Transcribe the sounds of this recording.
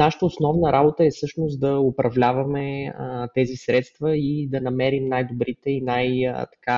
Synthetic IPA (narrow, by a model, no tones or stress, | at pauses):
naʃə̥t̪əʊsnɔvnəɾʔabot̪əɛfsɤʃnost̪d̪ɐopɾɐvlʲavɐmɛt̪ɛzisɾɛt̪st̪vəid̪ɐnɐmɛɾimnajd̪obɾit̪ɛinajt̪ɐ̥ka